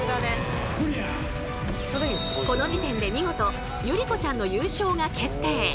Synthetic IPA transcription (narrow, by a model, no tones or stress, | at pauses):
d̪ane | soɾe | ko̞no̞d͡ʑit̪ẽ̞nd̪e̞mʲiŋo̞t̪o̞ | jɯ̟ɾʲiko̞t͡ɕãnːo̞jɯːɕo̞ːɡakʰe̞t̪ːe̞ː